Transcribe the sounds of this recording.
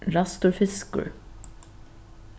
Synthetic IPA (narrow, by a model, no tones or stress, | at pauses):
ɹast̪ʊɹfɪskʊ̰ɹ